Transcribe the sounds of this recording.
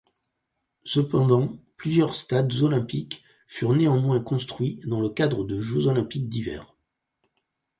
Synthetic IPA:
səpɑ̃d̪ɑ̃plyzjœʁst̪ad̪zɔlɛ̃pik | fyʁneɑ̃mwɛ̃kɔ̃st̪χɥid̪ɑ̃ləkad̪ʁəd̪əʒøzɔlɛ̃pik̚d̪ivɛ̰ːʁ

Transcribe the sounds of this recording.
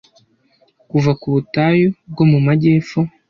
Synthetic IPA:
kuvakuβutaːjob̚ɡo̞mumaɟe̞ːfo

